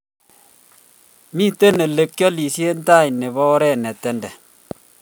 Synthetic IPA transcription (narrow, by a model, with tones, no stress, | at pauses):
mi˦˨te˦ne˨le˨kːjɔ˦li˨sje˦n̩˦taː˦˨ɲ˨ne˨βɔ˦ɾɛ˦˨nɛ˨tɛ˦ndɛ˨